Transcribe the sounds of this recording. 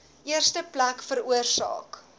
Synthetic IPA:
ʔiərstəplækfəɾuərsɑ̰ːk

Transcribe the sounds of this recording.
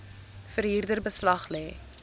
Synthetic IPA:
fəɾɦiːrdərbəslɐχlɛː

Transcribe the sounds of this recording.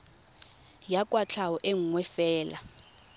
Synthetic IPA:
jakʼwat͡ɬʰawɔʔeŋ̩ŋwɛfɛːla̰

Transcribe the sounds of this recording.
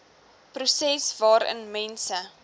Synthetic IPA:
prusɛsvɑːɾə̰nmɛnsə

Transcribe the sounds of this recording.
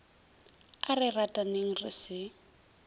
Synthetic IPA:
arɪratʼaneŋ̩rɪ̰sɪ

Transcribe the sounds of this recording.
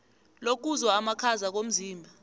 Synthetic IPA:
lok̬uzwaːmakʰazak̬om̩ziːmbʱa

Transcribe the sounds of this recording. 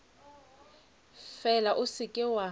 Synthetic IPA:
fɛlaʔʊsɪkʼɪwa

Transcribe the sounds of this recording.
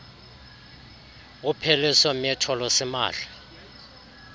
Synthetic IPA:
upʰɛlɛsɔmiɛtʰɔlɔsɛma̰ːɬa

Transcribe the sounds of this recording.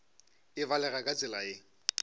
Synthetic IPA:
ɪvalɛɣakʼat͡sʼɪlaɪ

